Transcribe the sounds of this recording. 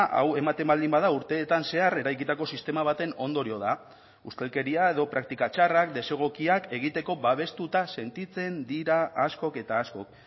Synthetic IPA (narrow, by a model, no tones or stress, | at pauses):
ʔa̰we̞mat̪e̞mbald̪imbað̞auɾt̪e̞ːt̪anse̞are̞ɾajkit̪ako̞sist̪e̞maβ̞at̪e̞no̞nd̪o̞ɾio̞ða | ust̪e̞lke̞ɾiae̞ðo̞pɾak̚t̪ikat͡ʃarakd̪e̞se̞ɣ̞o̞kiake̞ɣ̞it̪e̞ko̞βaβ̞e̞st̪ut̪ase̞nt̪it͡se̞nd̪iɾaːsko̞ke̞t̪aːsko̞k